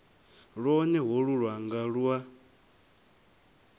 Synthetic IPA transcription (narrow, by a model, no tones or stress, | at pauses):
ɺwɔnɛɦɔɺuɺwaŋɡaɺua